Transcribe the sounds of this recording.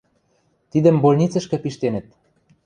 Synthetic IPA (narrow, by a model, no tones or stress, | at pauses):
t̪id̪ə̆mbolʲnʲit͡sɤ̆ʃkɤ̆piʃt̪enə̆t̪̚